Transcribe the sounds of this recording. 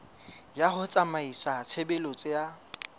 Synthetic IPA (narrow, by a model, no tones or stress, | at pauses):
jaχʊt͡sʼamaisat͡sʰebelot͡sʼɪja